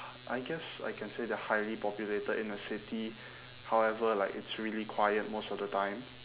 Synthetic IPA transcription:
ʔajɡɛsa̰jkʰɛ̃nsedɛəhajlipɔpjuletəʔɪ̃nəsɪti | hawɛvəlaɪkɪtsɹilikʰwajət̚mosɔfdətãɪ̃m

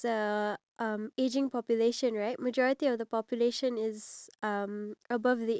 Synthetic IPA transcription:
əʔʌmed͡ʒɪ̃ŋpʰɔpjuleʃə̃nɹaɪt̚məd͡ʒɔɹɪtiɔvðəpɔpjuleʃə̃nɪzʌməbʌvði

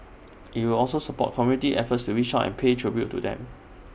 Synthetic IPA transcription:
ʔit̚wilɔlsosəpɔ̰t̚kʰɔmjunitiʔɛfətstuwit͡ʃaɛ̰̃npʰetʰɹibjutudɛ̰̃m

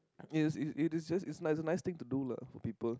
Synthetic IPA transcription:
ɪsɪsɪtsd͡ʒasɪtsnaɪsənaɪst̪ɪ̃ŋtudula̰fɔpiːpəl

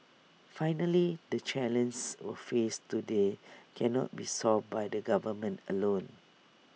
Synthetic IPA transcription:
fajnəlidət͡ʃɛlə̃nswə̰festudekʰɛnɔ̰t̚bisɔlvbajdəɡavəmə̃ntəlõn

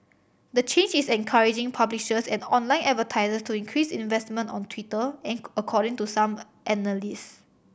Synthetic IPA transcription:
d̪ət͡ʃẽnd͡ʒisɛ̃nkʰaɹid͡ʒɪ̃ŋpʰabliʃəsɛ̃nɔ̃nlãɪnɛt̚vətʰaɪzəstuĩŋkʰɹisĩnvɛstmə̃ntɔ̰̃ntʰwitəɛ̃nəkʰɔɾɪ̃ŋtusãm | ʔɛnəlis

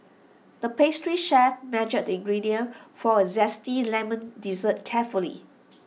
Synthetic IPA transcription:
d̥əpestɹiʃɛfmɛd͡ʒək̚dĩŋɡɹidiə̃nfɔəzɛstilɛmə̃ndizət̚kʰɛfulḭ

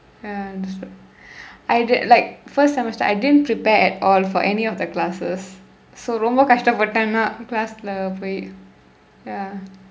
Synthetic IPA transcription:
jadɛs | ʔajdlaɪk̚fəstsɛmɛstəa̰ɪdɪdə̃npɾipɛɛtɔlfɔ̰ʔɛniɔfd̪əklasəsː | oɾõmbəkaʃtapətãnaʔklasləpoi | ja

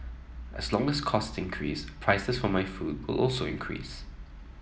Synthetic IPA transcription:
ʔə̰slɔ̃ŋəskʰɔstɪ̃nkʰɹḭːspʰɹaɪsəsfɔmaɪfuːd̚wɪ̰lʔɔlˠsoɪ̰̃nkʰɹḭːs

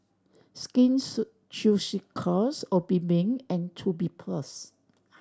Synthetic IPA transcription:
skĩns | t͡ʃusikʰɔsɔbibĩŋɛ̃ntʰubipʰlas

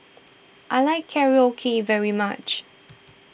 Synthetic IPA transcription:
ʔaɪlaɪkʰːɛɹiɔkʰivɛɹima̰t͡ʃ

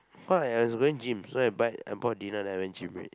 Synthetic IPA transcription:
kɔslaawɔsɡoĩŋd͡ʒĩmsoajbaɪtã̰bɔdinadawɛ̃nd͡ʒĩmwɛ̰t̚

